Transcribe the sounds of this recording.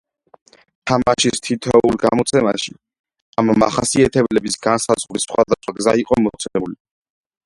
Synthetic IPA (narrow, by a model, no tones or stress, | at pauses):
t̪ʰamaʃist̪ʰit̪ʰɔulˠɡamɔt̪sʰɛmaʃi | amama̰χasiat̪ʰɛbɛlɛbisɡansazʁɾisχwad̪asχwaɡzaiqʼɔmɔt̪sʰɛuli